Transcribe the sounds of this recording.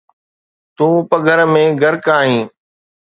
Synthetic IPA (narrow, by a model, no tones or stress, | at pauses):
t̪ũːpəɡʱəɾmẽːɡʱəɾkaːɦĩː